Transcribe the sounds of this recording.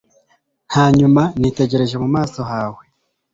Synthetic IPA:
haːɲumanite̞ɟe̞ɾe̞ʒe̞mumaːso̞ɦaːwe̞

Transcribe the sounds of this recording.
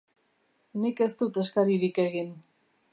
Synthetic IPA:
nike̞st̪ut̪e̞skaɾiɾike̞ɣin

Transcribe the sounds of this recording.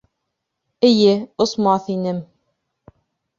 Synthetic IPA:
ɘ̆jɘosmɑθinɘm

